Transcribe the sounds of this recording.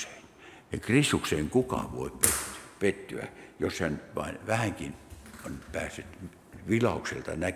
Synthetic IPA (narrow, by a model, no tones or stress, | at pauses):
e̥ːn | jɑkrist̪ukseːŋkukɑ̰ʋo̰ippet̪ːy̥pet̪ːyæ̰joshænʋɑ̰inʋæhæŋkinnpæːsːyt̪ | ʋilɑuksḛlt̪ɑ̰næ